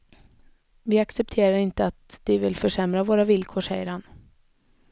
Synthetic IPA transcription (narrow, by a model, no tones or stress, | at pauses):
vɪaksɛp̚t̪ʰeːɾaɾɪnt̪əat̪d̪ɪvɪlfœʂɛmɾavoːɾavɪlkʰoːʂɛjəɾhan